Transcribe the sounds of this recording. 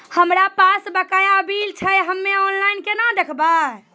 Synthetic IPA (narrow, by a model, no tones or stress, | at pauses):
həmɾapasbəkajabilt͡ʃʰəjɦəmːeɔnlainkenad̪ekʰba